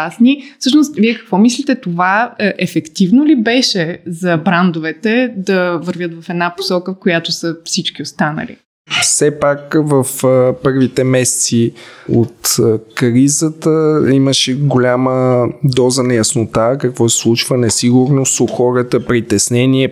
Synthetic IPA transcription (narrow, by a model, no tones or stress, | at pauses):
asnifsɤʃnost̪viɛkɐ̥kvɔmislit̪ɛt̪ovaʔɛfɛkt̪ivnolibɛʃɛzɐbɾand̪ovɛt̪ɛd̪ɐvəɾvʲjət̪vɐfɛd̪napo̥sɔkəfkojat̪osəfsit͡ʃk̟ʲiost̪anə̰lḭ | fsɛpakvəfpɤɾvit̪ɛmɛsɛ̥t̪siot̪kɾizət̪əiməʃɛɡolʲaməd̪ɔzənɐjɐsnot̪akɐkvɔsɛslˠut͡ʃvənɛsiɡuɾnost̪oxɔɾət̪əpɾit̪ɛsnɛniɛ